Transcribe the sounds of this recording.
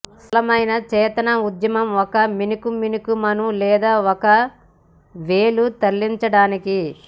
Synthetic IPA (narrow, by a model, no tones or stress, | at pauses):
sɐlɐmɐjnɐt͡ʃɛːt̪ɐnɐud̪jɐmɐmɔkɐminikuminikumɐnulɛːd̪aːɔkɐ | ʋeːlut̪ɐlːiɲt͡ʃɐɽaːniki